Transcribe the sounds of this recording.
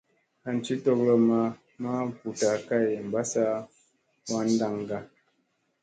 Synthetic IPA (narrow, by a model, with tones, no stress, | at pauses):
a˨n˨t͡ʃi˦tɔ˦klə˦ma˦ | ma˦pu˨ta˨ka˦˨jm̩˨ba˦sa˦ | ma˦n˦da˦˨ŋ˨ɡa˦